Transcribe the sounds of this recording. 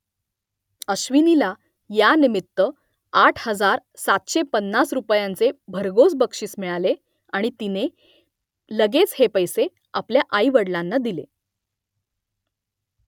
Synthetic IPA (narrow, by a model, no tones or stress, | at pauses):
əɕʋinila | janimit̪ːə | aʈʰhəd͡zaɾsat̪ɕepənːasɾupjant͡sebʱəɾɡot͡sbəkʂiːsmiɭale | aɽ̃it̪ine | ləɡet͡shepəjse | apljaʔaiʋəɽlanːad̪ilḛ